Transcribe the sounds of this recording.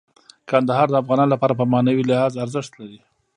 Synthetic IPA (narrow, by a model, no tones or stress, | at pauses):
kand̪aɦɑɾd̪əafɣɑnɑnlapɑɾapəmɑnawilɪhɑzaɾzəʂt̪laɾi